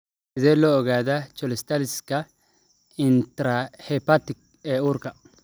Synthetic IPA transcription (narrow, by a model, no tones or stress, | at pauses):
ɪzɛlɔɔɡaːd̪ɐt͡ʃɔlɛst̪ɐlɪskɐ | ɪnt̪ɾahɛpːɐt̪ːɪk | ɛʊɾkɐ